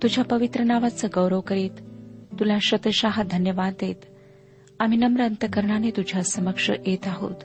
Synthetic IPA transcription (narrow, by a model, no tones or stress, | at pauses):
t̪ud͡ʑʱjapəʋit̪ɾənaʋat͡səɡəwɾəʋkəɾiːt̪ːulaɕət̪əɕaɦd̪ʱənjəʋad̪et̪ | am̤inəmɾənt̪əkəɾɳanet̪ud͡ʑʱjasəməkʂə̰ʔet̪aɦo̰t̪